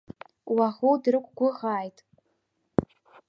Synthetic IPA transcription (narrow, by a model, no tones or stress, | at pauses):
waʁudrɨkʷʼɡʷʊʁaːjtʼ